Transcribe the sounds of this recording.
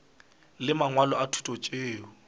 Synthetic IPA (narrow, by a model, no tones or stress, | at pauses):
lɪmaŋwalɔatʰu̥tʼɔt͡ʃʼeːʊ